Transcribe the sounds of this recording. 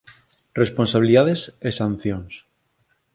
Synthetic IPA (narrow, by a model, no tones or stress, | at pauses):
responsaβiliðaðesesãn̟θjoŋs